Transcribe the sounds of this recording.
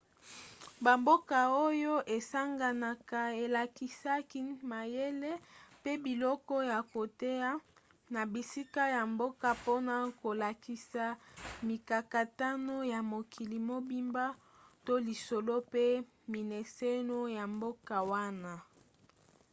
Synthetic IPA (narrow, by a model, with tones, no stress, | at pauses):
ba˨mbo˦ka˨o˦jo˦ʔe˨sa˦ŋɡa˨na˨ka˨e˨la˨ki˨sa˦ki˦ma˨je˦le˦pe˦bi˨lɔ˦kɔ˦ja˨ko˨te˦a˦ | na˨bi˨si˦ka˦ja˨mbo˦ka˨po˦na˦ko˨la˨ki˨sa˨mi˨ka˨ka˨ta˦no˦ja˨mo˨kʰi˨li˨mo˦bi˦mba˦ | to˦li˨so˨lo˦pe˦ | mi˨ne˨se˦no˦ja˨mbo˦ka˨wa˦na˦